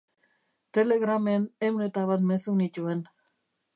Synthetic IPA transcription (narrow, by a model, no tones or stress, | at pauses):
t̪e̞le̞ɣɾamenewnet̪aβat̪me̞sunit̪ue̞n